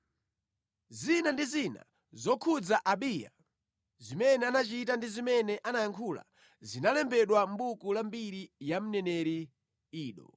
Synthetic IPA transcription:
zinandizina̰ | zɔkʰud͡zaʔaɓija̰ | zimɛnɛanat͡ʃitandizimɛnɛʔanajaŋkʰula̰ | zinalɛmbɛɗwam̩bukulambiɾijam̩nɛnɛɾi | iːɗɔ̰

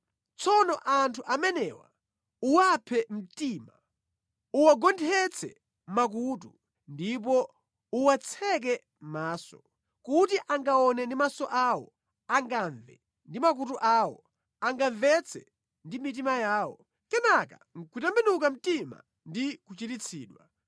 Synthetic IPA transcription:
t͡sʰɔnɔʔantʰuʔamɛnɛwa̰ | uwapʰɛm̩tima | uwaɡɔndʰɛt͡sʰɛ̰ | mak̬utu | ndip̬ɔ | uwat͡sʰɛk̬ɛ | maːsɔ̥ | kutiʔaŋɡaɔnɛndimasɔʔawɔ̰ | aŋɡaɱvɛ̰ | ndimak̬utuʔaːwɔ | aŋɡaɱvɛt͡sʰɛ̰ | ndimit̬imajaːwɔ̰ | kɛnaka̰ŋ̩kʰutɛmbɛnuk̬am̩tima̰ | ndikut͡ʃitit͡sʰḭːɗwa̰

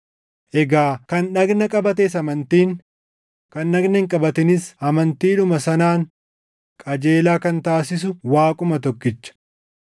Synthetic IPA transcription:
ʔɛɡaːkɐnnɐɡnɐkʼɐbɐt̪eːs̬ɐmɐnt̪iːŋ | kɐnːɐɡnɐɪŋkʼɐbɐt̪ɪnɪsɐmɐnt̪iːᶑʊmɐsɐnaːŋ | kʼɐd͡ʒe̞ːlaːkɐnt̪aːsɪs̬ʊwaːkʼʊmɐt̪ɔkːɪt͡ʃːɐ̥

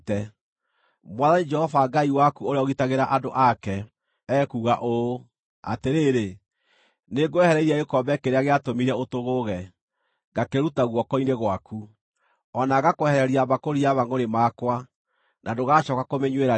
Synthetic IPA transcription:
tɛ | mwaðanid͡ʒɛhɔfaɡaiwakuoɾeɔɣitaɣeɾaʔadoʔakɛː | kuːɣaʔo | a̰teɾeɾe | neɡoɛhɛɾɛiɾiaekɔbɛkeɾeaɣeatomiɾɛotoɣoɣɛ | ɡakeɾutaɣwɔkɔineɣwaku | ɔnaɣakohɛɾɛɾiaβakoɾiaβaŋoɾemakwa | nʔadoɣaʃɔkakomeɲweɾa

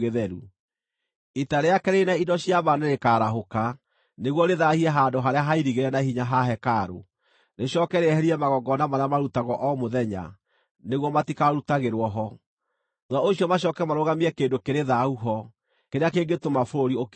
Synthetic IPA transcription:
eðɛɾṵ | itaɾeakɛɾeinaidɔɕiaβaneɾekaːɾaɦoka | neɣwɔɾeðahiɛɦandoɦaɾeaɦaiɾiɣeɾɛnahiɲaɦaɦɛkaɾo̰ | neɕɔkɛɾeɛhɛɾiɛmaɣɔɡɔnamaɾeamaɾutaɣɔʔɔmoðɛɲa̰ | neɣwɔmatikaɾutaɣeɾwɔɦɔ | nwaoɕiɔmaɕɔkɛmaɾoɣamiɛkeːndokeɾeðauɦɔ | keɾeakeːŋɡetomafoɾoɾiok

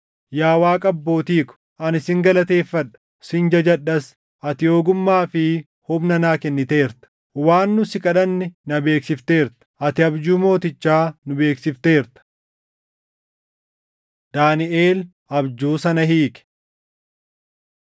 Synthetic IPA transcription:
jaːwaːkʼɐbːo̞ːt̪iːkʊ̥ | ʔɐnɪsɪŋɡɐlɐt̪e̞ːfːɐᶑɐ̥ | sɪnd͡ʒɐd͡ʒɐᶑːɐs | ʔɐt̪ɪjo̞ːɡʊmːaːfɪ | hʊbnɐnaːkɛnːɪt̪eːɾt̪ɐ̥ | waːnːʊsɪkʼɐᶑɐnːɪnɐbe̞ːksɪft̪e̞ːɾt̪ɐ̥ʔɐt̪ɪɐbd͡ʒuːmo̞ːt̪ɪt͡ʃːaːnʊbe̞ːksɪft̪e̞ːɾt̪ɐ̥ | d̪̥aːnɪʔeːl | ʔɐbd͡ʒuːsɐnɐhiːkɛ̥

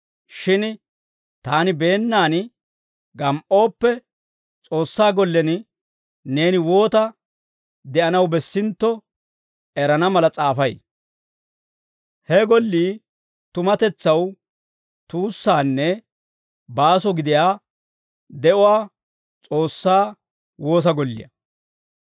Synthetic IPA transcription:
ʃɪn | t̪aːnɪbe̞ːnːaːn | ɡɐmʔo̞ːpːɛ | t͡sʼo̞ːsːaːɡɔlːɛn | ne̞ːnɪwo̞ːt̪ɐ | d̪ɛʔɐnɐwbɛsːɪnt̪ːɔ | ɛɾɐnɐmɐlɐt͡sʼaːfɐj | hɛɡɔlːiː | t̪ʊmɐt̪ɛt͡sːɐw | t̪uːsːaːnːɛ | baːsɔɡɪd̪ɪjaː | d̪ɛʔʊwaː | t͡sʼo̞ːsːaː | woːs̬ɐɡɔlːɪ̰jɐ̰

